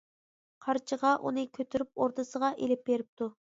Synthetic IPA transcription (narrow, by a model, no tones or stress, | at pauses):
qʰɑɾt͡ʃʰəʁɑʔṵnɨkʲʰøt̪ʰyɾyp̚oɾt̪ʰəsəʁɑʔelɪp̚beɾɪp̚t̪ʰu